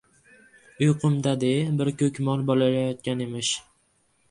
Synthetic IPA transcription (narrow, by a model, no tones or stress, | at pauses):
ʊjqʰʊmd̪ad̪ebɪɾkʰʲɵkʲmɒlˠbɒlalajɒt̪̚kʲanemɪʃ